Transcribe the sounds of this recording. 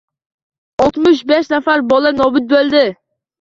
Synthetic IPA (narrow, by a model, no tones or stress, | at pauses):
ɔlˠt̪mʊʃ̬bɛʃnɛfæɾbolˠɨnoːbɪt̪̚bøld̪ɪ